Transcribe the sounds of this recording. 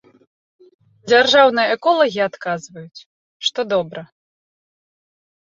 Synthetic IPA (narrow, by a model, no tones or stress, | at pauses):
d͡zʲarʐawnɨjɐɛkɔlˠɐɣʲiat̪kazvɐjut͡sʲ | ʂt̪ɔd̪ɔbɾɐ